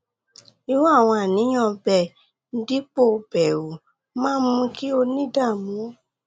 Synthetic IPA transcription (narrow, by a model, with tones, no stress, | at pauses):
i˧wu˦a˦˨w̃ɔ̃˧a˨nĩ˨˦j̃ɔ̃˧bɛ˨ | n̩˦di˦k͡po˦˨˧bɛ˨wu˨ | mãː˦mũ˧˦ki˦o˧nĩ˦da˦˨mũ˨˦